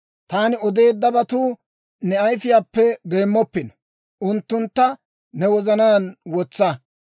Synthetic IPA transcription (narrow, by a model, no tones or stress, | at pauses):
t̪aːnɪɔd̪eːd̪ːɐbɐt̪uː | nɛɐjfɪjaːpːɛɡe̞ːmːɔpːɪnɔ̥ | ʔʊnt̪ːʊnt̪ːɐ | nɛwɔzɐnaːnwɔt͡sːɐ